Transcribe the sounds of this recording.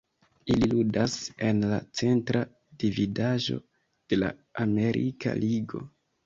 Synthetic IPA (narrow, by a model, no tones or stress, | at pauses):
ililudase̞nlat͡se̞ntɾa | dividaʒo̞̰ | d̥e̞la̰ame̞ɾʔikʰa̰liɡo̞